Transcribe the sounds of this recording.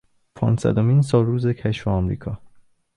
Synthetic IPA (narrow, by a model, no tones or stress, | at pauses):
pʰɒ̰ːnsæ̰d̪omins̬ɒːlːuːzecʰæʃfeɒmɾḭːkʰɒː